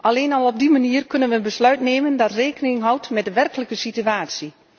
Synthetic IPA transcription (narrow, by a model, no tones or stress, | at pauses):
ʔɑleːnɑlˠɔb̚dimaniːərkɵnənʋənbəslœɥtneːməndɑtreːkənɪŋɦɔwtmɛt̚dəʋɛrkələkəsityaːtsi